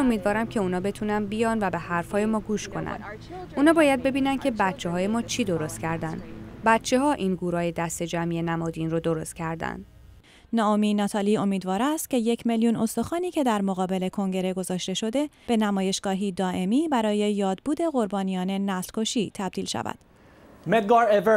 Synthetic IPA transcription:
omiːd̪vɒːɾæmcʰe̞uːnɒːbe̞t̪ʰuːnænbijɒːnvæbe̞hæɾfhɒːje̞mɒːɡuːʃkʰo̞næ̰nd̪ | ʔuːnɒːbɒːjæd̪̚be̞biːnænd̪kcʰe̞bæt̪t͡ʃʰe̞ɦɒːje̞mɒːt͡ʃʰiːd̪o̞ɾo̞st̪̚cʰæɾd̪ænd̪bæt̪t͡ʃʰe̞ɦɒːʔiːnɡuːɾɒːje̞d̪æst̪e̞d͡ʒæmijenæmɒːd̪iːnrod̪oɾo̞st̪̚cʰæɾd̪æ̰nd̪̥ | nɒːominɒːt̪ʰɒːliːo̞miːd̪vɒːɾæst̪ce̞je̞cʰme̞ljuno̞st̪o̞xɒːniːcʰe̞d̪æɾmo̞ɣɒːbe̞le̞kʰo̞ŋɟe̞ɾe̞ɡo̞zɒːʃt̪e̞ʃo̞d̪e̞b̥e̞næmɒːje̞ʃɡ̥ɒːɦiːd̪ɒːʔe̞miːbæɾɒːje̞jɒːd̪buːd̪e̞ɣo̞ɾbɒːnijɒːne̞næslkʰo̞ʃiːt̪ʰæbd̪̥iːlʃæ̰væ̰d̪̥ | met̪̚ɡɑev

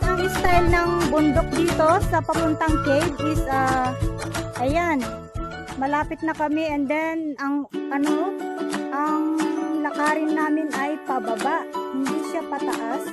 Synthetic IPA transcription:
ʔɐŋʔɪst̪ajlnɐŋbʊnd̪ok̚d̪iːt̪o̞sɐpɐmʊnt̪aŋkɛjd̪ʔɪsɐ | ʔɐjan | mɐlaːpɪt̪̚nɐkɐmɛʔɛnd̪ɛnɐŋpɐno | ʔɐŋlɐkaːɾɪnːaːmɪnʔɐjpɐbɐbaʔhɪnd̪isapɐt̪ɐʔas

